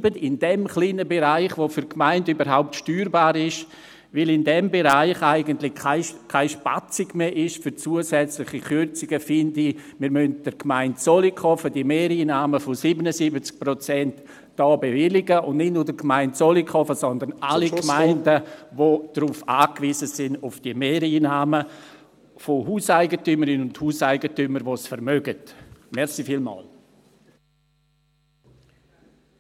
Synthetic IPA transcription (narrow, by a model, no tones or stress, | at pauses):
bəɪndɛmχliːnəbeɾaɪχʋofyɾkʰmaɪndybəɾɦaʊp̚tʃtyːɾbaːɾɪʃ | vɪlɪndɛmbeɾaɪχaɪɡəntlɪkʰaɪkʰaɪʃpa̰t͡sɪɡmeʔɪʃfyɾt͡suəsɛt͡slɪχikʏɾt͡sɪɡ̥əfɪndimɪːɾmœnt̚d̥əɾkmaɪntsolikɔfədimeːɾiːnaːməfosibənəsibət͡sk̚pɾot͡sɛnt | d̥ɔːbevɪlɪɡəʊndnɪtnuːɾdəkmaɪntsolikχɔfəsɔnd̪ənalikmaɪndəvod̥ɾuːfaːkviːzəsɪnʊfd̥imeːɾiːnaːmə | fohuːsaɪɡətyməɾɪnʊnthuːsaɪɡətyməɾʋosfəɾmœɡətmɛɾsifiːlmɔ̰ːl